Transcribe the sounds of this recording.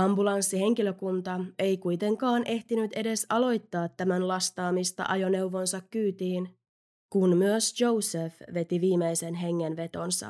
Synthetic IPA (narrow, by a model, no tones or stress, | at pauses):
ɑmbulɑnsːihe̞ŋk̟iløkunt̪ɑe̞jkujt̪e̞ŋkɑːnʔe̞ht̪inyt̪e̞de̞sɑlo̞jt̪ːɑːt̪ːæmænlɑst̪ɑːmist̪ɑ̰ʔɑjo̞ne̞wʋo̞nsɑkːyːt̪iːn | kunmyøsjo̞wsefʋe̞t̪iʋiːmejse̞nɦe̞ŋːenʋe̞t̪o̞nsɑ̰